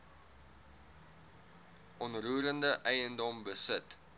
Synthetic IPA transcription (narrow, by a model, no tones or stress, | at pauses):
ʔɔnruəɾəndəʔɛjəndɔmbəsət